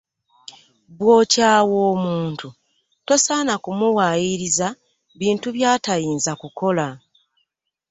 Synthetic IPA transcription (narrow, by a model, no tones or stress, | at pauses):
βwo̞ːcaːwo̞ːmuːntu | to̞saːnakumuwajiɾiza | βiːntuβjaːtajiːnzakuko̞la